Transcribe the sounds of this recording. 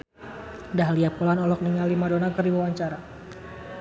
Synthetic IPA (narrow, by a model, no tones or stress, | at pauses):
daɦliapulanɔlɔk̚niŋalimadonakərdiwawaɲt͡ʃaɾa